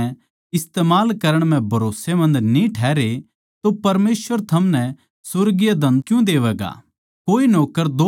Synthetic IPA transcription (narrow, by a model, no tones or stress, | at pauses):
ɪst̪eːmaːlkɐɾəɽ̃m̤ɛ̃bʱɐɾoːsemɐ̃nd̪nĩʈʰɛːɾe | t̪opɐɾmeːsʋəɾt̪ʰɐmnɛ | sʊɾɡɪjad̪ɐ̃nkjũd̪eːʋɛːɡa̰ː | koːinoːkːəɾd̪oː